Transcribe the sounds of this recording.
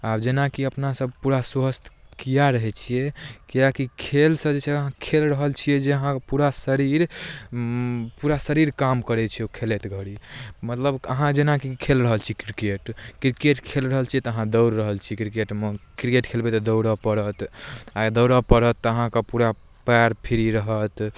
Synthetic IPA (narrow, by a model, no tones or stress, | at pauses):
abd͡ʒenakiəpnasəb̚puɾaswəst̪ʰ | kijaɾəɦɛt͡ʃʰijɛkijakikʰelsə̃d͡ʒet͡ʃʰɛəɦãkʰelɾəɦəlt͡ʃʰiɛd͡ʒeəɦãpuɾasəɾiɾ | puɾasəɾiɾkamkəɾɛt͡ʃʰiɛokʰelet̪ɡʱəɽimət̪ləbəɦãd͡ʒenakikʰelɾəɦəlt͡ʃʰikɾikeʈkɾikeʈkʰelɾəɦəlt͡ʃʰiɛt̪ɔəɦãd̪əwɾːəɦəlt͡ʃʰikɾikeʈmkɾikeʈkʰelbɛt̪ɔd̪əwɾəpəɽət̪ad̪əwɾəpəɾət̪ːəɦãkəpuɾa | pɛɾpʰiɾiɾəɦət̪